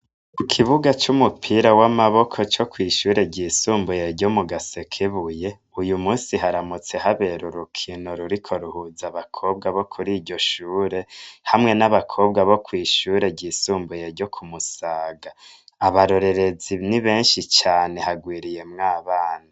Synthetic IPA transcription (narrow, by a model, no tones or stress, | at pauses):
kukʰiβuɡat͡ʃumupʰiːɾawamaβo̞kʰo̞t͡ʃo̞kwiːʃuːɾe̞ɟiːsuːmbujeɟo̞muɡasekʰeβuje̞ | ujumuːsiɦaɾamut͡se̞ɦaβe̞ɾuɾukʰinoɾuɾikʰo̞ɾuhuzaβakʰo̞bɡaβo̞kʰuɾiːɟo̞ʃuːɾe̞hamŋe̞naβakʰo̞bɡaβo̞kwiːʃuːɾe̞ɟiːsuːmbuje̞ɾɟo̞kʰumusaːɡa | aβaɾo̞ɾe̞ɾe̞ziniβe̞ːnʃit͡ʃaːne̞haɡwiːɾije̞mŋaːβaːna